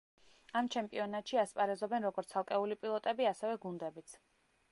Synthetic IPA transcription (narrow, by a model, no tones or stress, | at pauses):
amt͡ʃʰɛmpʼiɔnat̪ʼʃiaspʼaɾɛzɔbɛnɾɔɡɔɾt̪sʰalˠkʼɛulipʼilˠɔt̪ʼɛbiasɛvɛɡund̪ɛbit̪sʰ